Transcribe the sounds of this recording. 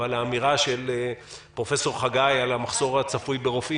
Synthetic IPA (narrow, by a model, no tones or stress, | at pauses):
alaːmiʁaʃe̞lpʁo̞fe̞so̞ʁχaɡajalamaχso̞ʁat͡safujbeʁofi